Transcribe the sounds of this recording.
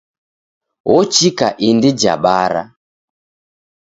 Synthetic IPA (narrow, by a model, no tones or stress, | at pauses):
wɔt͡ʃikaʔindid͡ʒa̰ɓaɾa̰